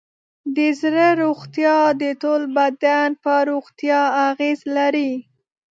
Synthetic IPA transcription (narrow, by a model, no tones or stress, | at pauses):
d̪əzɾəɾoɣt̪jɑd̪ət̪olbad̪anpəɾoɣt̪jɑaɣezlaɾi